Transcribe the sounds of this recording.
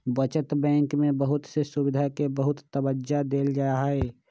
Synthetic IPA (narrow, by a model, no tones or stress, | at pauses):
bət͡ʃət̪bɛ̃ːŋkmẽbəɦʊt̪sesʊbɪd̪ʱakebəɦʊt̪ːəbəd͡ʒad̪eːld͡ʒajaɦɛː